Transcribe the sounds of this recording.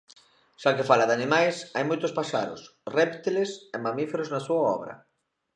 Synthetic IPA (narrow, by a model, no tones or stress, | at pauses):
ʃakɪfalɐðanimajsajmojt̪ʊspaʃa̰ðʊ̰srɛpt̪ilesemamifeɾoznɐsuɐɔ̰βɾɐ̰